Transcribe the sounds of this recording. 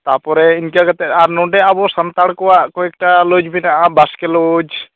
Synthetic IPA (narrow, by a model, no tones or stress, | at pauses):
t̪apɔɾɛinkakat̪ɛt̪aɾnɔɖɛabɔsant̪aɽkɔwaʔkɔɛk̚ʈalod͡ʒbinaʔabaskɛlod͡ʒ